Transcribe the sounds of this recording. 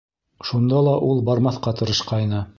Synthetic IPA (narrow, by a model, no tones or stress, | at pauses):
ʃund̪ɑlˠɑʔulˠbɑɾmɑθqɑt̪ɤ̆ɾɤ̆ʃqɑjnɤ